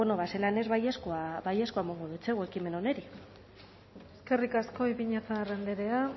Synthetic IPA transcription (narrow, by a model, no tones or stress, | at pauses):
ono̞βaselane̞zβajeskoabaje̞skoamoŋɡoðut͡seɣwekime̞no̞ne̞ɾi | eske̞rikasko̞ipiɲat͡sarend̪eɾe̞a